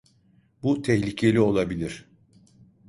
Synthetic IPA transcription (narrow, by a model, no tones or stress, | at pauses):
but̪ʰɛçlʲicʰe̞lʲio̞lˠabilʲiɾ̥